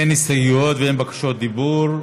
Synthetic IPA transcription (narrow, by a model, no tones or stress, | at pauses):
enːisajjot̪veenbakḁʃot̪̚d̪ibuɾ